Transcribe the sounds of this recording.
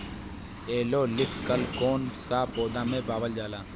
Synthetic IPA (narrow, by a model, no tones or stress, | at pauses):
eːloːlɪfkəlkoːnsaːpoːd̪ãːmẽːpaːʋəld͡ʒaːlaː